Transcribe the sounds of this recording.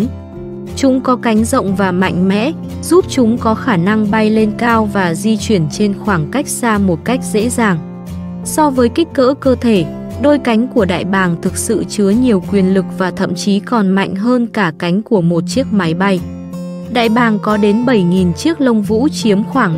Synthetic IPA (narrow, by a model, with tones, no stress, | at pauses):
t͡ɕʊ˨˦ŋ͡mkɔ˨˦ka˨˦jŋ̟zə̰˧˨wŋ͡mvaː˨˩ma̰˧˨jŋ̟mɛ̰˧˥ | zu˦˥p̚t͡ɕʊ˨˦ŋ͡mkɔ˨˦xaː˧˩na˧ŋɓa˧jle˧nkaː˧wvaː˨˩zi˧t͡ɕwi˧˩ənt͡ɕe˧nxwaː˧˩ŋka˦˥jk̟̚z̥aː˧mo˨˩t̚ka˦˥jk̟̚zḛ˧˥zaː˨˩ŋ | sɔ˧vəː˨˦jkï˦˥k̟̚ːə̰ː˧˥kəː˧t̪ʰe˧˩ | ɗo˧jka˨˦jŋ̟ku˧˩əɗa̰ː˧˨jɓaː˨˩ŋt̪ʰɨ˨˩k̚sɨ̰˧˨t͡ɕɨ˨˦əɲi˨˩əwkwi˨˩ənlɨ˨˩k̚vaː˨˩t̪ʰə̰˧˨mt͡ɕi˨˦kɔ˨˩nma̰˧˨jŋ̟ɦəː˧nkaː˧˩ka˨˦jŋ̟ku˧˩əmo˨˩t̚t͡ɕi˦˥ək̚ma˨˦jɓa˧j | ɗa̰ː˧˨jɓaː˨˩ŋkɔ˨˦ɗe˨˦nɓə˧˩jŋi˨˩nt͡ɕi˦˥ək̚lə˧wŋ͡mvṵ˧˥t͡ɕi˨˦əmxwaː˧˩ŋ